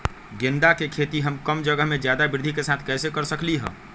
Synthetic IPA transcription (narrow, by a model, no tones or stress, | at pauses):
ɡend̪akekʰet̪iɦəmkəmd͡ʒəɡəɦmed͡ʒjad̪abɪɾd̪ʱikesat̪ʰkɛːsekəɾsəkliɦə̰̃